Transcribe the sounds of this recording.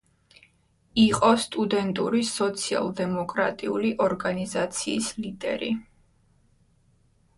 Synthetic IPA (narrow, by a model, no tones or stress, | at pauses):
iqʼɔst̪ʼud̪ɛnt̪ʼuɾisɔt̪sʰia̰lˠd̪ɛmɔkʼɾa̰t̪ʼiuliʔɔɾɡanizat̪sʰiːslid̪ɛ̰ɾi